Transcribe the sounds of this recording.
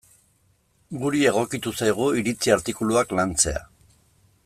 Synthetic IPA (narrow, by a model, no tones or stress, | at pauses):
ɡuɾie̞ɣ̞o̞kit̪usajɣ̞uiɾit͡siaɾt̪ikuluaklant͡se̞a̰